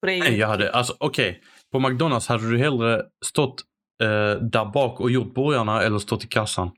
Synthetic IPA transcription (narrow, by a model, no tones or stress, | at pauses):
nɛjɑːhad̪ːə̰ʔalsɔ̥ʔɔkʰɛj | pʰɔmak̚d̪ɔnalshad̪ːəd̪ɵɦɛlːɾəst̪ɔt̪ː | d̪æːɾbɑːkɔjʊʈ̪̚ːbœɾjaɳaɛlːəst̪ɔt̪ːɪkʰasːan